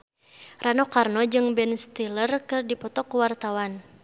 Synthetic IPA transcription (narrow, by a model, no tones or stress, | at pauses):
ranɔkarnɔd͡ʒɨŋbɛnst̪ilərkɨrdipɔt̪ɔkuwart̪awan